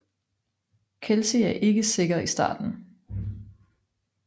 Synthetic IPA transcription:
kʰelsiæɐʔe̝ɡ̥əse̝ɡ̥ɐisd̥ɑ̰̈ːd̥n̩

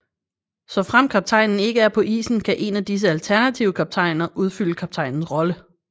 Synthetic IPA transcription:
sɒ̽fʁam̰kʰɑ̈b̥̚t͡sʰɑ̈ɪnn̩e̝ɡ̥əæɐpʰɒ̽ʔḭːsn̩kʰæʔe̝næd̥is̬əælt͡sʰæɐnæt͡sʰiʊəkʰɑ̈b̥̚t͡sʰɑ̈ɪnɐʔuð̞ˠfyl̰əkʰɑ̈b̥̚t͡sʰɑ̈ɪ̰nn̩sʁɒ̽lə

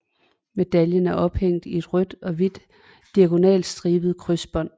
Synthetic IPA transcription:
me̝d̥æljənæɐʔɒ̽b̥heŋ̰d̥ie̝d̥ʁœd̥ɒ̽ʋid̥ː | iæɡ̥o̝nɛ̰ːl̥sd̥ʁiːʋð̩ˠkʰʁysb̥ɒ̽n̰

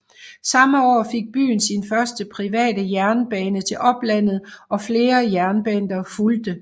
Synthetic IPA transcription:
sɑ̈məɒ̰ːfe̝ɡ̥̚b̥y̰ːn̩sinfɶɐsd̥əpʰʁiʋɛ̰ːd̥əjæɐnəb̥ɛːnət͡sʰe̝lʔɒ̽b̥læn̰ð̞̩ˠʔɒ̽fle̝ːɐjæɐnəb̥ænd̥ɐfuld̥ə

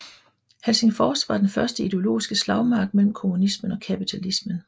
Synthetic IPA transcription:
helse̝ŋfɒːsʋɑ̈d̥enfɶɐsd̥əid̥e̝o̝lo̝̰ːisɡ̥əslɑ̈ʊmɑ̈ːɡ̥̚mel̰m̩kʰo̝munismənɒ̽kʰæpit͡sʰælismən

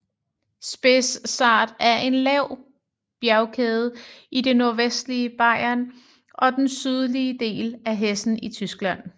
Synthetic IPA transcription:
sb̥esːɑ̈ːd̥æɐʔe̝nlɛʊ̰ | b̥jæʊkʰeːð̞̩ˠʔide̝no̝ɐʋesd̥liəb̥ɑ̈ɪ̰ɐn | ʔɒ̽d̥ensyð̞ˠliəd̥e̝̰ːlæɦesn̩it͡sʰysɡ̥læn̰

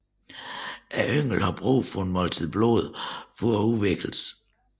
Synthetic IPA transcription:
ʔæʔøŋ̰l̩hɑ̈b̥ʁṵːfɒ̽enmɒlt͡sʰiðˠb̥lo̝ð̞ˠfɒuʋeɡ̥l̩s

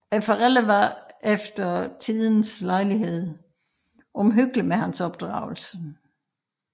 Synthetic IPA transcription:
æfɐʁɛləʋɑefd̥ɐt͡sʰiðˠn̩slɑ̈ɪliɦe̝ð̞̰ˠ | ʔɒ̽mɦøɡ̥ləmeɦænsɒ̽b̥̚d̥ʁɑ̰̈ʊl̩sə

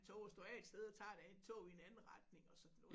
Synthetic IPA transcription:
t͡sʰo̰ʊɒsd̥oæ̰ed̥sd̥eð̞ˠɒt͡sʰɑ̰̈ːd̥æent͡sʰɔ̰ːie̝nænn̩ʁɑ̈d̥ne̝ŋɒ̽sɒ̽d̥n̩ɔ

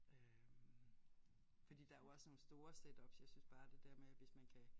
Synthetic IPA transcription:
ʔø | m | fɒd̥ḭːd̥ɑæjo̝ɒ̽səno̝ːn̩sd̥o̝ːɐsed̥ɒ̽b̥sjɑ̈ɪsynsb̥ɑ̈ːd̥e̝d̥æɐmeæʋe̝smænkʰæ

